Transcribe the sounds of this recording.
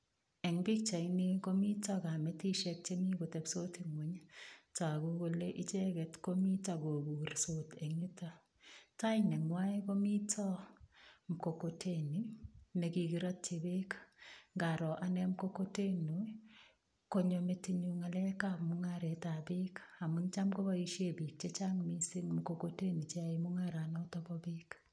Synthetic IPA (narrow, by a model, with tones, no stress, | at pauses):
ɛ˨ŋbi˦k̚t͡ʃa˨ini˦ko˦mi˦tɔ˦ka˨me˦ti˦ʃɛ˧k̚t͡ʃe˦ni˦ko˨tɛ˨bso˦ti˨ŋwo˨ɲtɔ˨a˨ɡo˦ɡo˧le˦ʔi˦t͡ʃe˦ɡɛ˨tko˦mi˦taɡo˨ɡu˨ɾso˦te˨ŋi˦ta˦ | ta˦ɪnɛ˨ŋwa˦jko˦mi˦tʰɔ˦ | mko˨kotʰe˦ni˦nɛ˨ki˨ɡi˦ɾɔ˦t̚t͡ʃɪ˨bɪ˦kŋɡa˨ɾɔ˨ʔa˨nɛ˦mko˦ko˦te˦no | ko˦ɲo˨me˦ti˦ɲu˦ŋa˨lɛ˦kamʊŋa˦ɾɛ˨ta˨bɪ˦ka˨mu˦nt͡ʃa˦mko˦ba˦i˦ʃe˦bi˨k̚t͡ʃɛ˦t͡ʃa˦ŋmi˦si˦ŋm˨ko˨ko˦te˦ni˨t͡ʃa˨imʊ˦ŋa˦ɾa˨nɔ˦tɔ˦bɔ˦bɪ˦k